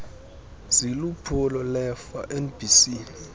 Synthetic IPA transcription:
z̥ilupʰulɔlɛfa̰ʔɛnb̥ʱisi

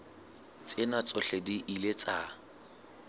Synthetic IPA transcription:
t͡sʼɪnat͡sʼʊɬediʔilet͡sʼa

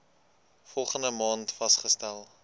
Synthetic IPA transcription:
fɔlˠχəndəmɑːntfɐsχəstælˠ

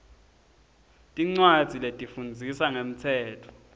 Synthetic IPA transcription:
tʼiŋ͡ǀwad̥z̥ʱiletʼifund͡zʱisaŋem̩tʰɛːtʰɔ̥

